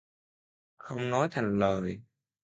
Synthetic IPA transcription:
xə˧wŋ͡mnɔ˨˦jt̪ʰa˨˩jŋ̟ləː˨˩j

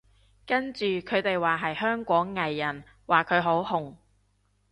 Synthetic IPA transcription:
kɐ˥nt͡ʃyː˨kʰɵ˨˧t̪e˨jwaː˨ɦɐ˨jhœː˥ŋkʷɔː˨˥ŋːɐ˨jːɐ˨˩n | waː˨kʰɵ˨˧ɥɦo˨˥whʊ˨˩ŋ

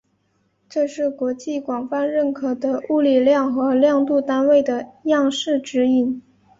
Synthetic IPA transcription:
ʈ͡ʂɤ˥˧ʂɻ̩˥˩kwɔ˧˥t͡ɕi˥˩kwɑ˨˩ŋfa˥˧nɻə˥˩nkʰɤ˨˩d̪ə˦u˥˧li˨˩ljɑ˥˩ŋxɤ˧˥ljɑ˥˧ŋt̪u˥˩t̪a˥nwe˥˩ɪd̪ə˩jɑ˥˧ŋʂɻ̩˥˩ʈ͡ʂɻ̩˧˥i˨˩n

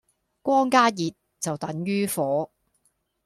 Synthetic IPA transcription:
kʷɔː˥ŋkaː˥jiː˨t̚ | t͡sɐ˨wt̪ɐ˨˥ŋjyː˥fɔː˨˥

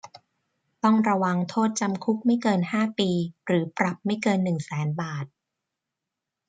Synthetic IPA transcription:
t̪ɔ˥˩ŋɾa˧wa˧ŋt̪ʰoː˥˩t̪̚t͡ɕa˧mkʰu˦˥k̚ma˥˩jkɤː˧nhaː˥˩piː˧ɾɯː˩˦pɾa˨˩p̚ma˥˩jkɤː˧nːɯ˨˩ŋsɛː˩˦nbaː˨˩t̪̚

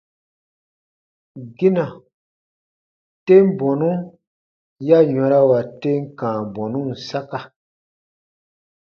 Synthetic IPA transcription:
ɡi˦nã˨ | te˦m˦bɔ˨nũ˦ | ja˦ɲɔ̃˨˦ɾa˦wa˨te˦ŋ˦kãː˨bɔ˨nũ˦n̩˨sa˦ka˨

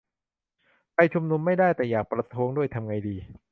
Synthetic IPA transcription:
pa˧jt͡ɕʰu˧mnu˧mːa˥˩jdaː˥˩jt̪ɛː˨˩jaː˨˩k̚pɾa˧t̪ʰu˦˥əŋdu˥˩əjt̪ʰa˧mŋa˧jdiː˧

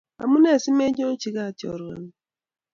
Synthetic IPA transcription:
a̰˨mu˦ne˦˨si˦me˦ɲ˦o˦t͡ʃi˨˦ka˦˨t͡ʃɔ̰˨ɾḛ˨n˨

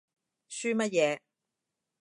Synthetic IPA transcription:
syː˥mɐ˥t̚jɛː˨˧

